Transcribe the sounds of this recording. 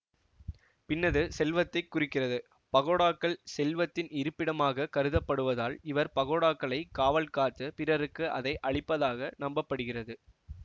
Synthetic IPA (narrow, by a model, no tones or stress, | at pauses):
pɪnːɐðɯsɛlʋɐt̪ːɐɪkːʊrɪkːɪrɐðɯ | pɐɣoːɽaːkːɐɭsɛlʋɐt̪ːɪnɪɾɯpːɪɽɐmaːɣɐkɐɾɯðɐpːɐɽɯʋɐðaːlɪʋɐɾpɐɣoːɽaːkːɐɭɐɪkːaːʋɐlkaːt̪ːɯpɪɾɐɾɯkːɯʔɐðɐɪʔɐɭɪpːɐðaːɣɐnɐmbɐpːɐɽɯɣɪrɐðɯ